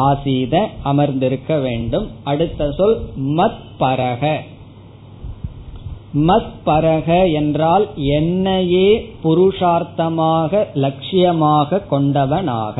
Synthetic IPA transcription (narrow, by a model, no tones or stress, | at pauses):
aːsiːðɐʔɐmɐɾnd̪ɪɾɯkːɐʋeːɳɖɯmɐɽɯt̪ːɐsɔlmɐt̪ | pɐɾɐɣɐ | mɐt̪pɐɾɐɣɐɛndraːlɛnːɐjeːpʊɾʊʂaːɾt̪ɐmaːɣɐlɐkʂɪjɐmaːɣɐkːɔɳɖɐʋɐna̰ːɣɐ